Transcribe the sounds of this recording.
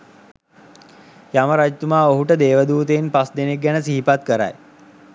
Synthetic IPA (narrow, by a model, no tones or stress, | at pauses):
jaməɾad͡ʒt̪umaːoɦuʈəd̪eːʋəd̪uːt̪einpasd̪enek̚ɡænəsiɦipat̪kəɾa̰j